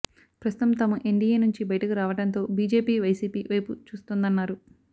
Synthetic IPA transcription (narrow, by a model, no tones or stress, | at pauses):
pɾɐst̪u̥t̪ɐmt̪ɐmɐʔiɳɖijeːnuɲt͡ʃibɐjɐʈɐkuɾaːʋɐʈɐnt̪o̞ːbiːd͡ʒe̞ːpiːʋɐjsiːpiːʋɐjput͡ʃuːst̪und̪ɐnːaːɾu